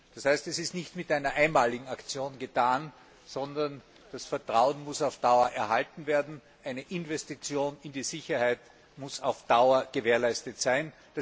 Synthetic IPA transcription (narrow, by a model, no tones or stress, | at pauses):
d̥ashæɪstɛsɪstnɪçtmɪtʔæɪnɐʔaɪnmaːlɪɡŋ̩akt͡sjoːnɡətʰaːn | z̥ɔndɐn | d̥asfɛɐtʁ̥aʊənmʊsaʊfd̥aʊɐʔɛɐhaltn̩veːɐdn̩ | ʔæɪnəʔɪnvɛstit͡sjoːnɪndiːzɪçɐhæɪt | mʊsaʊfd̥aʊɐɡ̥əveːɐlæɪstətsæɪn | d̥a